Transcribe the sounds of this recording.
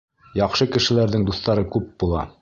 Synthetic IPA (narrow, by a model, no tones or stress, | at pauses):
jɑqʃɤkɘ̆ʃɘ̆læɾðɘŋd̪uθt̪ɑɾɤkʉp̚bulˠɑ̰